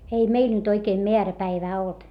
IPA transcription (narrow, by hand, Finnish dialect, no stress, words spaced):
ei meil nyt oikeː meæræpæiʋæː olt